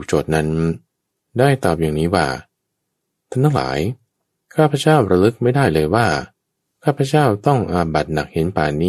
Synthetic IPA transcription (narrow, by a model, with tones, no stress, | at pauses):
u˨˩k̚t͡ɕoː˨˩t̪̚na˦˥n | daː˥˩jt̪ɔː˨˩p̚jaː˨˩ŋniː˦˥waː˥˩ | t̪ʰa˥˩ŋt̪ʰa˥˩ŋla̰ː˩˦j | kʰaː˥˩pʰːa˧˥t͡ɕaː˥˩wɾa˧lɯ˦˥k̚ma˥˩jdaː˥˩jlɤː˧jwaː˥˩ | kʰaː˥˩pʰːa˧˥t͡ɕaː˥˩wt̪ɔ˥˩ŋʔaː˧ba˨˩t̪̚na˨˩k̚he˩˦npaː˨˩niː˦˥